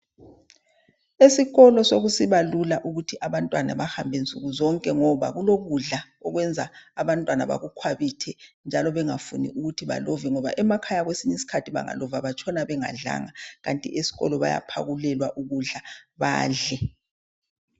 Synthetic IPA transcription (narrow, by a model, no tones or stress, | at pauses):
esiɣɔlɔsoɣusiβalulaʔuɣutʰiʔaβantʼwana̰βahambʱɛnt͡sʼuɣuzɔŋkʼɛŋɔβa̰ɣuloɣuɮa | ɔɣwɛnd͡zʱaːβantʼwana̰βa̰ɣukʰwaβitʰɛnd͡ʒʱalɔβɛŋafunḭʔuɣutʰiβa̰lɔvɛŋɔβa̰ʔɛmakʰajaɣwesiɲisi̥kʰatʰiβa̰ŋa̰lɔvaβat͡ʃʰʼɔnaβɛŋa̰ɮa̰ŋaɣantʼḭʔesi̥ɣɔ̰lɔβa̰ja̰pʰa̰ɣulɛlwaʔuɣuɮaβa̰ːɮɛ